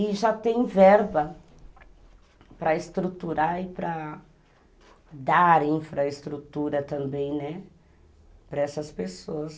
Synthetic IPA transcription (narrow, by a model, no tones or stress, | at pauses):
ɪʒat̪ẽj̃vɛɾbɐ | pɾɐɪst̪ɾut̪uɾaɪpɾɐ | d̪aɾĩfɾɐɪst̪ɾut̪uɾɐt̪ɐ̃mbẽj̃nɛ | pɾɐɛsɐspesoɐs